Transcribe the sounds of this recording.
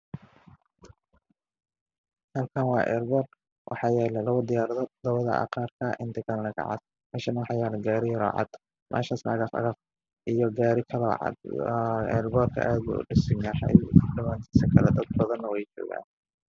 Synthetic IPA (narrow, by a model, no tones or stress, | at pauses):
hɐlkʰanwɑːʔɛ̰ːrbɔːr | wʔɑ̰ħɑːjɛːlɛlɐwɔd̪ɪjaːɾɐðɔd̪̥ɐβɐðɐ̰ɐ̰qɑːrkʰɐʔɪnt̪ʰɐkʰɐlɐnɐɡʰɐ̰ʕɑ̰d̪ | mɛːʃɐnɐwɑħɑjɛːlɐɡaːɾɪjɾa̰ːʕɑ̰d̪̥ | mʔɛ̰ːʃaːsnʔɐ̰ɣɐfɐ̰ɣɐf | ʔijɔɡaːɾɪkʰɐlɐʕɑ̰d̪ɛ̰ːrbɔːrkʰɐ̰ʔaːd̪bṵʊ̰ɖɪsɪŋaħa̰ɖɐmaːnt̪ʰi̥ːsɐkʰɐlɛd̪ɐd̪̚bɐðɐnːɐwɛjt͡ʃɔ̰ːɣa̰ːn